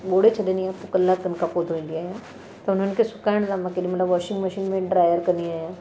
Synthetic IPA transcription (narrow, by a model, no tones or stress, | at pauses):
ɓoːɽet͡ɕʰɐd̪eniãːpʊkɐlːakt̪ɐnkʰãpod̪ʱoʋĩːn̆d̪iaːɦijã | t̪ɐʊn̤ənɪ̆kʰesʊkaːɪɽ̃d̪ãmãkeɗĩmɐt̪ləbʋɔːɾʃɪ̃ŋɡmɐʃiːnmẽɖɾaːjəɾkɐnd̪iaːijã